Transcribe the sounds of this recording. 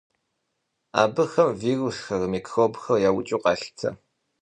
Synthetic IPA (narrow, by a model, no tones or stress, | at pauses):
a̰ːbɨxɐmviːrusxɐrmiːkʰxoːbxɐrjaːwʊt͡ʃʼuːqɑːɬtʰɐ̰